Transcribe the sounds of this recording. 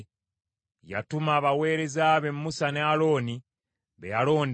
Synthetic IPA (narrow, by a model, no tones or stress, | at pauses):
ja̰tumaːβawe̞ːɾe̞zaβe̞mːusanealo̞ːni | βejalo̞ːnd